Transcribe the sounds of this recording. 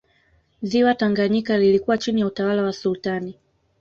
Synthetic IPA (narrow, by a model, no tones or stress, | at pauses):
ziwataŋɡaɲikalilikuwat͡ʃinijautawalawasultani